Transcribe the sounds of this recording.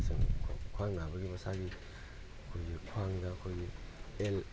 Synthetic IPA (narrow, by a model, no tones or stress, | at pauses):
sɯŋʰkʰwaŋnabɐɡibasaɡi | kʰojikʰwaŋɡakʰojiel